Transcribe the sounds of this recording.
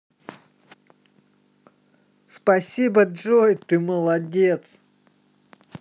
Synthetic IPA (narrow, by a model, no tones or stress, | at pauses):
spɐsʲibəʐojt̪ɨməlˠɐdʲet̪s